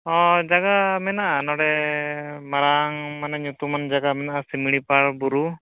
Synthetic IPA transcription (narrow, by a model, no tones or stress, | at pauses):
ɔd͡ʒaɡamɛnaʔanɔɽɛ | maɾaŋmanɛɲut̪umand͡ʒaɡamɛnaʔasimiɽ̃ipaɽbuɾu